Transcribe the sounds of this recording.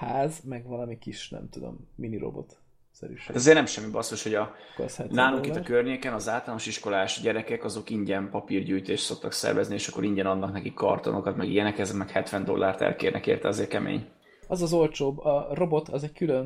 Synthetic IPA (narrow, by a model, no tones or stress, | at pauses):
haːzmɛɡvɒlɒmikiʃnɛ̰mt̪ud̪o̞̰mːiniɾo̰bo̞̰t̪ | sɛ̰ɾy̰ɛzeːrnɛmʃɛmːibɒst̪oʃho̞ɟɒoshɛt̪laːnokit̪ɒkørɲeːkɛnɒzaːlt̪ɒlaːnoʃiʃko̞laːʃɟɛɾɛkɛkɒzo̞kiɲɟɛnpɒpirɟyːjt̪eːʃt̪so̞k̚t̪ɒksɛ̰rvɛznieːʃɒkːo̞ɾiɲɟɛnɒnːɒknɛkikːɒ̰rt̪o̞̰no̞kɒt̪mɛɡḭjɛnɛkɛzɛkmɛkhɛt̪ʋɛnd̪o̞̰lːaːrt̪ɛ̰lkḛːrnɛ̰kḛːrt̪ɛɒzeːrkɛmḛːɲ | ɒzɒzo̞lt͡ʃoːbɒro̞bo̞t̪ʰɒzɛɟkyløn